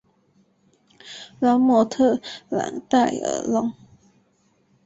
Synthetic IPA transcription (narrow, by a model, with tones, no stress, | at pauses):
la˧˥nmɔ˧˥t̪ʰɤ˥˨la̰˨˥˦t̪a˥˩ɪə̰˧˥lɔ˥˦ŋ